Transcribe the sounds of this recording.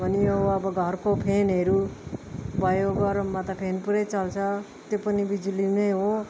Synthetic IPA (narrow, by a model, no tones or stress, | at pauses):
bʱʌniʌbʌbʌɡʱʌɾkopʰenɦeɾu | bʱʌjoɡʌɾmat̪apʰenpuɾet͡sʌlt͡sʰʌ | t̪jopʌnibid͡ʒulinʌjɦo